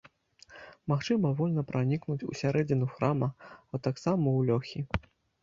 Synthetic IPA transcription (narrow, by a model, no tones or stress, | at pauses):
maxt͡ʂɨmɐvɔlʲnɐpɾʔanʲiknut͡sʲṵsʲaɾɛd͡zʲinuxɾamɐat̪aksamɐwlʲɔxʲi